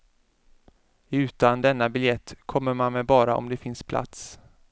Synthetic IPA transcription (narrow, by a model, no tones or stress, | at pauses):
ʉ̟ːt̪and̪ɛnːabɪljɛt̪ːkʰɔmːəɾmanmɛbɑːɾa̰ʔɔ̰md̪ɛfɪnspʰlʔa̰t̪s